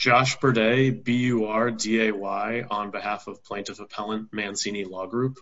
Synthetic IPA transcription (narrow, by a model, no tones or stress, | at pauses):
d̥ʒ̥ɑʃb̥ə˞deɪbijʉɑɹdieɪwaɪə̃nbɨhæfʌv̥pʰl̥ẽɪ̃ntɨvəpʰɛlˠə̃nmæ̃nsĩnilɔɡɹup